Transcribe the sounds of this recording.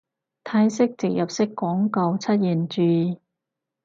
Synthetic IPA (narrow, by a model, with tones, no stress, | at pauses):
t̪ʰaː˧jsɪ˥k̚t͡sɪ˨˩k̚jɐ˨p̚sɪ˥kːɔː˨˥ŋkɐ˨˧wt͡sʰɐ˥t̚jiː˨˩nt͡ʃyː˨˧